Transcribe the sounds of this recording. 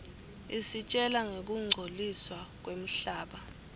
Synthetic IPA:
isit͡ʃʼɛlaŋek̬uŋ͡ǀʱoliswak̬wem̩ɬaːɓa

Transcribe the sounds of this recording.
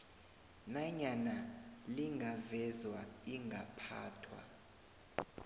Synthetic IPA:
naɲanaliŋɡʱavɛzwaiŋɡʱapʰa̰ːtʰwa̰

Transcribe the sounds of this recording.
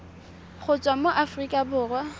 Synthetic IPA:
χʊt͡sʼwamoʔafrikʼabʊːrwa

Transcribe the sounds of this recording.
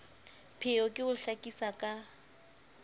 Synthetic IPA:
pʰɪɔkʼɪʊɬakʼisakʼa

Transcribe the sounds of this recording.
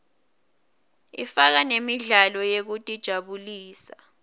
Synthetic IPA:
ḭfak̬anemiɮalɔjek̬utʼid̥ʒ̥ʱaɓuliːsa

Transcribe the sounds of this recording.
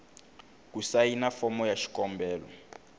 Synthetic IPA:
kusajinafɔmɔjaʃi̥kɔmbɛːlɔ̰

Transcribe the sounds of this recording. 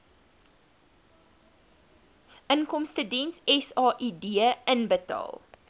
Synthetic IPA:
ʔənkɔmstədɛnsɛsɑːʔidiəənbətɑ̰ːlˠ

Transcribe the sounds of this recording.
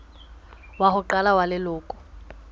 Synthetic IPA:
wahʊǃalawalɪlʊːkʼʊ̥

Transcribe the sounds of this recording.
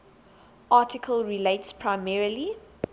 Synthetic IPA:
ʔɑˑtʰɪkʰəlɹileɪtspʰɹaɪmɛɹəli

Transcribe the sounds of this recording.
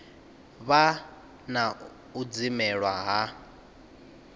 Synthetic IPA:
βa | na | ud͡zimɛɺwaɦa

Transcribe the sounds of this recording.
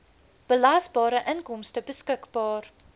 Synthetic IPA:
b̥əlasbɑːɾəʔənkɔmstəbəskəkbɑːr

